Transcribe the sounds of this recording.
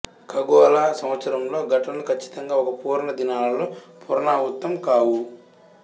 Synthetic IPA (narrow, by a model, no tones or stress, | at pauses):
kɐɡɔːlaːsɐmʋɐt̪sɐɾɐmlo̞ːɡɐʈɐnɐlukʰɐt͡ʃːi̥t̪ɐŋɡaːɔkɐpuːɾɳɐd̪inaːlɐloːpuɾɐɳaːɦut̪ːɐmkaːwu